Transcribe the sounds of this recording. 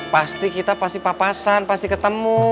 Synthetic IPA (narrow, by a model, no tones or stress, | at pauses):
past̪ikit̪apast̪ipapasanpast̪ikət̪əmu